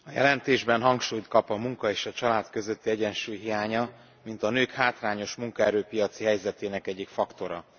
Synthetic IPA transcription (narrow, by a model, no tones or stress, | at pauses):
ɒjɛ̰lɛnt̪eːʒbɛnɦɒŋkʃuːjt̪kɒpɒmuŋkɒeːʃɒt͡ʃɒlaːt̪kø̞zø̞t̪ːiɛɟɛnʃuːjɦijaːɲɒ | mint̪ɒnøːkhaːt̪raːɲo̞ʃmuŋkɒɛɾøːpijɒt̪siɦɛjzɛt̪eːnɛkɛɟːikfɒkt̪o̞ɾɒ̰